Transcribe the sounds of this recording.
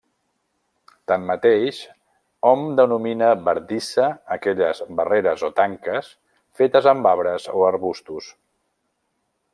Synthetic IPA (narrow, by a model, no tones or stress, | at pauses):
t̪amːət̪eʃ | ɔmd̪ənuminəbəɾd̪isəːkɛʎəzβəreɾəzot̪aŋkəs | fet̪əzəmbaβɾəzoəɾβust̪us